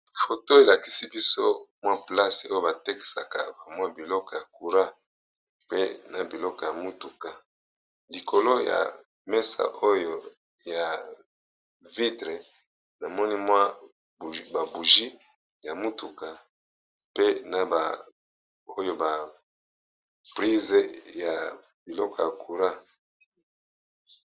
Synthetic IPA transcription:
fo˨to˦e˨la˨ki̥˨si˦bi˦so˦mwa˦pla˦so˦jo˦˨ba˨te˦ki̥˨sa˨ka̰˨ba˨mwa˦bi˨lɔ˦kɔ˨ja˨ku˨ʁa˦ | pe˦na˨bi˨lɔ˦kɔ˨ja˨mu˦tu˨ka˨ | li˨ko˨lo˦ja̰˨ | mɛ˦sa̰˨ʔo˦jo˨ | ja˨ | vi˦tʁe˨ | na˨mɔ˦ni˦mwa˦˨ | ba˨bu˨ʒi˦ | ja˨mu˦tu˨ka˨ | pe˦na˨ba˨ | o˦jo˦ba˨ | pʁi˦ze˦ja˨ | bi˨lɔ˦kɔ˨ja˨kʰu˨ʁa˦

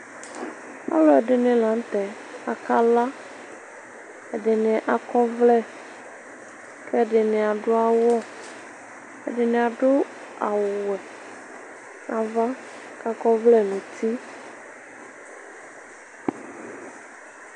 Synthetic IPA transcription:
a̰˦lɔ˨ɛ˨ɖɪ˨nɪ̃˨la˨˦n̩˦t̪ɛ˨ | a˨ka˦la˦ | ɛ˨ɖɪ˨ne˨ʔa˨kɔ˦vlɛ˦˨ | kɛ˦˨ɖɪ˨nɪ̃˨a˨ɖʊ˦a˦wɔ˦ | ɛ̰˨ɖɪ˨nɪ̃˨a˨ɖʊ˦ | a̰˨wwɛ˨ | nã˨va˦ | ka˦kɔ˦vlɛ˦nũ˨t̪ʰi˦

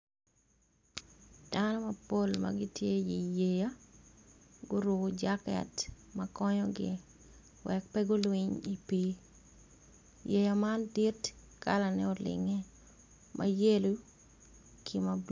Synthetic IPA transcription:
d̥anɔ˦mɐ˨po˦lma̰ɡɪtje˦i˨je˨ja˦ | ɡʊ˦ɾʊ˨d͡ʒakɛ̰t | mɐkɔ˦ɲɔ˦ɡɪ̰˨ | wʔɛk̚pɛɡʊ˦lwiɲi˨pi˦ | je˨ja˨ma˦ndi˦t | kalanɛ̰˦ɔ˨lɪ̰˨ŋɛ˦ | mʔa̰˦je˦lu˦ | kʰi˨mab

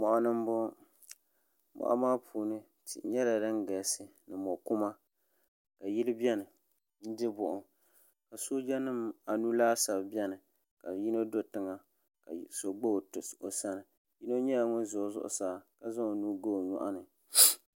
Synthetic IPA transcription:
mɔ˨ʔa˨nɨ˦m˦bʊ˦ | mɔ̰˨ʔa̰˦maː˦pʰuː˨nɨ˦ | tɪ̰˨ɲɛ˦la˨dɨ˦nɡɛ˨sɨ˦nɨ˨mɔ˨ku˦ma˦ | ka˨ji˦lɪ˦bɛ˦nɨ˨ | n̩˦dɨ˦bʊ˨ʔʊ˨ | ka˨so˦d͡ʒɛ˦nɨ˦ma˨nu˦laː˦sa˨bbɛ˦nɨ˨ | ka˨ji˦no˦do˦tɨ˨ŋa˨ | ka̰˨so˨ɡ͡bo˦˨o˨sa˦nɨ˨ | ji˦no˦ɲɛ˦a˨ŋɔ˦nzʊ˨zʊ̰˦ʔʊ̰˦saː˨˦˨ka˨za˦ŋo˨nuː˦ɡo˦˨ɲɔ̰˨ʔa˦nɨ˨

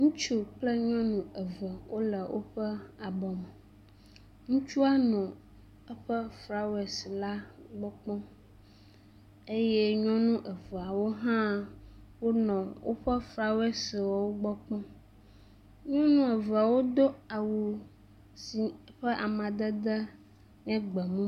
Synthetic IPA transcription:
ŋũ˦t͡ʃu˦k͡plə˦ɲɔ̃˦nũ˨ə˨və˨wʔo˦lə˨wo̰˦ɸə˦a˨bɔ˨m˨ | ŋũ˦t͡ʃu˦a˦nɔ̃˨ | ə˦ɸə˦fɾa˨we˨sla˦ɡ͡bɔ˦k͡pɔ̃˦ | e˦je˦ɲɔ̃˦nũ˦ʔə˨və˨a˨wo˦ɦã˦wo˦nɔ̃˨wʔo̰˦ɸə˦fɾa˨we˦swɔ˨wo˦ɡ͡bɔ˦k͡pɔ̃˦ | ɲɔ̃˦nũ˦ə˨və˨a˨wo˦d̪o˦a˨wo˨ | si˨˦ɸə˦ʔa˨mã˨d̪ə˦d̪ə˦ | nɛ̃˦ɡ͡bə˨mũ˦

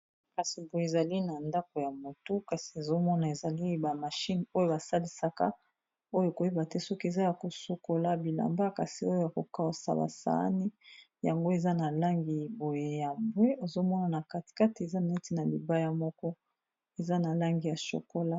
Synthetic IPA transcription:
ka˨si˨bo˨je˨za˨li˦na˨nda˦ko˨ja˨mo˨to˦ka˨si˨e˨zo˦mɔ˦na˨e˨za˨li˦ba˨ma˨ʃi˦no˦jo˦˨ba˨sa˦li˦sa˦ka̰˦ | o˦jo˨ko˨je˦ba˨te˦sɔ˦ki˦e˨za˦ja˨ko˨su˨ko˦la˦bi˨la̰˨mba˦ka˨si˨o˦jo˦ja˨ko˨ka˦˨sa̰˨ba̰˨sa̰˨˦a̰˦ni˦ | ja̰˨ŋɡo˦e˨za˦na˨la˦ŋɡi˨bo˨je˨ja˨bwe˦o˨zo˦mɔ˦na˨na˨ka˨ti̥˨ka˦ti˨e˨za˦n˨e˦ti˦na˨li˨ba˦ja˦mɔ˦kɔ˦ | e˨za˦na˨la˦ŋɡi˨ja˨ʃo̰˨ko˦la˦

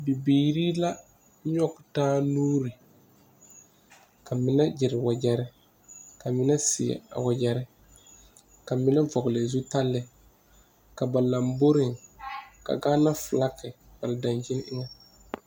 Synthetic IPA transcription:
bi˨biː˨ɾi˦la˦ | ɲɔ˦ktaː˦nuː˦ɾi˨ | ka˨mɪ˦na˦d͡ʒɪ˨ɾɪ˨wa˨d͡ʒɛ˦ɾɪ˦ | ka˨mɪ˦na˦sɪ˨ɛ̰˨a̰˨wa˨d͡ʒɛ˨ɾɪ˦ | ka˨mɪ˦na˦vɔ˨ɡlɪ˨zu˦ta˦lːɪ˦ | ka˨ba˨la˨mbo˦ɾɪ˨ŋka̰˨ɡaː˦na˦fla˦kɪ˨ | ba˨ɾɪ˨da˨nd͡ʒɪ˦n˦ʔɪ˦ŋa˦

